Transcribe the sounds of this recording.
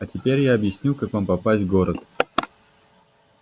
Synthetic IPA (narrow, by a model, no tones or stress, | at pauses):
ɐtʲɪpʲeɾʲjaɐbjɪsʲnʲilˠkakvampɐpasʲtʲvɡoɾət̪